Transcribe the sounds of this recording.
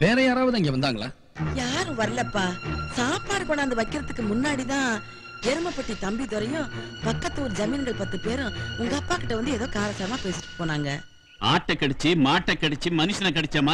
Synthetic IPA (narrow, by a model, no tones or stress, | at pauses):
peːɾɐjaːɾaːʋɐðɯɪŋɡeːʋɐnd̪aːŋɡɐɭa̰ː | jaːɾɯ̃ʋɐɾɐlɐpːaːsaːpaːɾɯkoːnaːnd̪ɐʋɐɪkːɪɾɐt̪ːɯkːɯmʊnːaːɽit̪ãː | jɛɾɯmɐpːɐʈːit̪ɐmbit̪ɔɾɐjʊ̃pɐkːɐt̪ːɯɔɾɯd͡ʒɐmiːnɐɽɐpɐt̪ːɯpeːɾʊ̃ʊŋɡɐɐpːaːkɪʈːɐʋɐnd̪ɯɛðoːkaːlɐsaːɾɐmaːpeːsɪ̥ʈːʈːɯ̥pːoːnaːŋɡɐ | aːʈːɐkɐɽɪt͡ʃːɯmaːʈːɐkːɐɽɪt͡ʃːɯmɐnɯʂɐnɐkɐɽɛt͡ʃːɐmaː